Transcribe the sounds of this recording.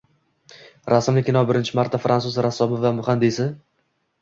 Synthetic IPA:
ɾasɪmlɪkʲɪnɒbɪɾɪnt͡ʃʰɪmaɾt̪ʰːafɾʔansʊzɾasːɒbɪvamʊχand̪isɪ

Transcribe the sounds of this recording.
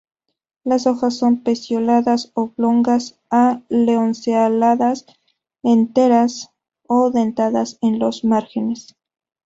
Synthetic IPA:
laso̞xasːo̞mpe̞sjo̞laðasoβlo̞ŋɡas | aleonsealaðas | ent̪e̞ɾas | oðent̪aðase̞nlo̞zmaɾxe̞ne̞s

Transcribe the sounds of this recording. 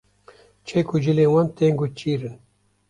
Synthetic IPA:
t͡ʃʰekud͡ʒɨleːwant̪eːŋɡut͡ʃiːɾɨn

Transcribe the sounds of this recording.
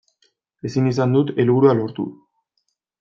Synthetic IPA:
e̞sinis̬and̪ut̪e̞lβuɾualo̞ɾt̪ṵ

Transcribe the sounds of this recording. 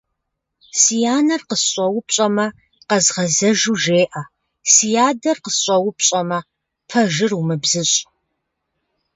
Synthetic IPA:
sijaːnɐrqəsɕʷʼɐwʊpɕʼɐmɐ | qɐzʁɐzɐʒuːʒeːʔɐ | sijaːdɐrqəsɕʷʼɐwʊpɕʼɐmɐ | pʰɐʒɪrumɨbzɨɕʼ

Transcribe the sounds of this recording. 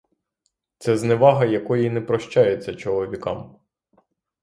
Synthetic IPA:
t̪sɛzneʋɑɦɐjɐkɔjinɛpɾɔʃt͡ʃajet͡sʲːɐt͡ʃɔlˠɔʋʲikɑ̰m

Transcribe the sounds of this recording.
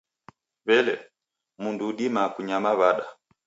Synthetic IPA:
βɛlɛ̰ | munduːɗimakuɲamaβaɗa

